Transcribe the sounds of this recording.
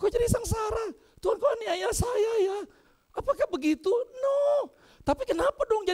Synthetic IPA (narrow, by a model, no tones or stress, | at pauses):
kod͡ʒadisaŋsaɾa | t̪uɦankoaniajasajaja | apakahbəɡit̪unɔ | t̪apikənapadɔŋd͡ʒa